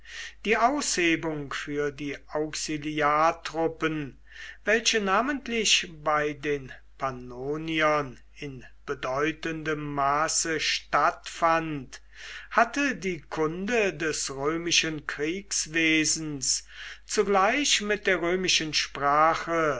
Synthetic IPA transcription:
d̥iːʔaʊsheːbʊŋfyːɐdiːʔaʊksiliaːtʁ̥ʊpən | vɛlɕənaːməntlɪçbaɪdeːn | pʰanoːniɐn | ɪnb̥ədɔʏtəndəmːaːsəʃtatfant | hatədiːkʰʊndədɛsʁøːmɪʃənkʁ̥iːksv̥eːzn̩st͡suɡlaɪçmɪt̚d̥eːɐʁøːmɪʃənʃpʁ̥aːχə

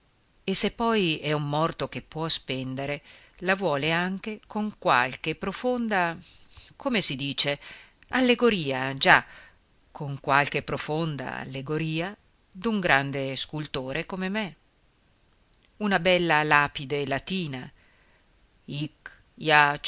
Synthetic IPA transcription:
esːepːɔjɛumːɔrt̪ok̟epːwɔspɛnd̪eɾe | lavwɔːleaŋk̟ekoŋkwa̰lk̟epɾofond̪a | kʰomesid̪iːt͡ʃe | alːeɡoɾiːad͡ʒa | kʰoŋkwalkepːɾofond̪a̰a̰lːeɡoɾiːa | d̪uŋɡɾand̪eskult̪oːɾekomeme | unabɛlːalapid̪elat̪iːna | ik | jat͡ʃ

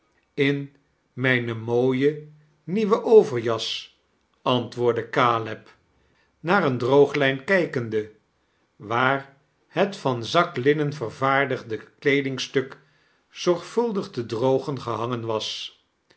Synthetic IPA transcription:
ɪn | mɛjnəmoːjə | niʋəʔowvəɹjɑs | ɑntʋʊːɹdəkaːlɛp | naːrəndrowχlɛjnkɛjkəndə | ʋaːɹ | hətfɑnzɑklɪnənvərvaːɹdəχdəklejdɪŋstɵk | z̥ɔɹχfɵlˠdəχtədrowχənχəɦɑŋənʋɑs

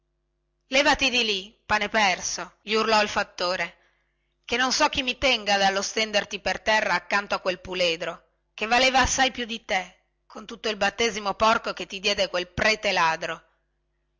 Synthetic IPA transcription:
lɛːvat̪id̪ilipanepɛrsoʎiurlɔilfat̪ːoːɾe | k̟enːonsɔk̟ːimːit̪ɛŋɡad̪alːost̪ɛnd̪ert̪ipert̪ɛrːaːkːant̪oakːwelpuleːd̪ɾo | kevːaleːvaːsːajpjud̪it̪e | kʰont̪ut̪ːoilbat̪ːeːzimopɔrkoket̪ːid̪jɛːd̪ekwelpɾɛːt̪elaːd̪ɾo

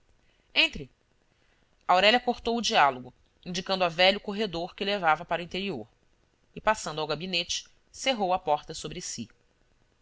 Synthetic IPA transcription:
ẽnt̪ɾɪ | awɾɛʎʲɐkoɾt̪owʊd͡ʒialoɡʊ | ĩnd͡ʒikɐ̃nd̪ʊavɛʎʊkoɦed̪oɾkɪlevavɐpaɾʊĩnt̪eɾioɾ | ɪpasɐ̃d̪ʊawɡabinet͡ʃɪ̥ | seɦowɐpɔɾt̪ɐsobɾɪsḭ

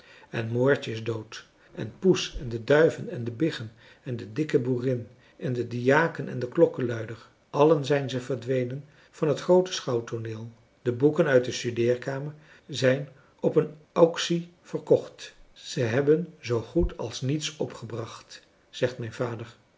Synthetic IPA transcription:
ɛnmoːɹt͡ʃəɪzdowt | ʔɛnpusɛndədœɥvənɛndəbɪχən | ɛndədɪkəburɪn | ʔɛndədijaːkənɛ̰ndəklɔkəlœɥdəɹ | ʔɑlənzɛjnzəvəɹdʋejnən | v̥ɑnɦətχrowtə̥sχɑwtonɪːlˠ | d̥əbukənœɥt̚dəstydɪːɹkaːməɹ | zɛjn | ɔpənʔɑksi | v̥ərkɔχtz̥əɦɛbənzowχutʰɑ̰lˠsnitsɔpχəbrɑχt | z̥ɛχtmɛjnvaːdəɹ

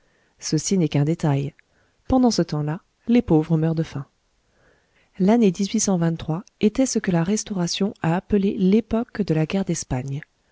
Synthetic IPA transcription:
səsinɛkɛ̃d̪et̪aj | pɑ̃d̪ɑ̃sət̪ɑ̃la | lepovʁəmœʁd̪əfɛ̃ | laned̪izɥisɑ̃vɛ̃nt̪ːχwaet̪ɛsəkəlaʁɛst̪ɔʁasjɔ̃aːpəlelepɔkd̪əlaɡʲɛʁd̪ɛspaɲ

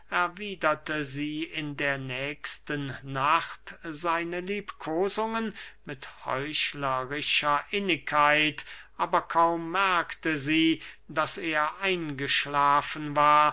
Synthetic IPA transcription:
ʔɛɐviːdɐtəziːɪndeːɐnɛːkstənːaχtzaɪnəliːpkʰoːzʊŋənmɪthɔ̰ʏʃlɐʁɪʃɐʔɪnɪkʰːaɪtʔaːbɐkʰaʊmːɛɐktəziːd̥aseːɐʔaɪnɡəʃlaːfn̩vaːɐ

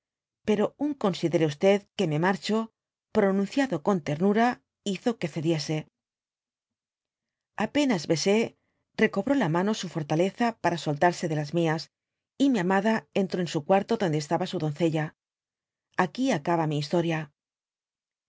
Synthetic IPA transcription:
pe̞ɾo̞uŋko̞nsiðe̞ɾeust̪e̞ðke̞me̞maɾt͡ʃo̞ | pɾo̞nũn̟θjaðo̞ko̞nt̪e̞ɾnuɾa | iθo̞ke̞θe̞ðje̞se̞ | ape̞nazβe̞se̞ | re̞ko̞βɾo̞lamãno̞sufo̞ɾt̪ale̞θapaɾasolt̪aɾse̞ðe̞lazmias | imiamaðae̞nt̪ɾo̞ensukwaɾt̪o̞ðo̞nd̪est̪aβasuðo̞nθe̞ʎa | akiakaβamiːs̬t̪o̞ɾja

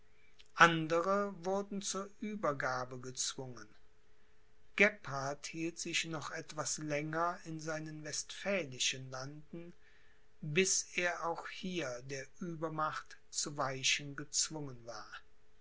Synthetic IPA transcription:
ʔandəʁəvʊɐdn̩t͡suːɐʔyːbɐɡaːbəɡət͡sv̥ʊŋən | ɡ̥ɛpaɐthiːltz̥ɪçnɔχʔɛtv̥aslɛŋɐɪnzaɪnənvɛstfɛːlɪʃənlandn̩ | bɪseːɐʔaʊxhiːɐdeːɐʔyːbɐmaχtt͡suvaɪʃənɡət͡sv̥ʊŋənvaːɐ

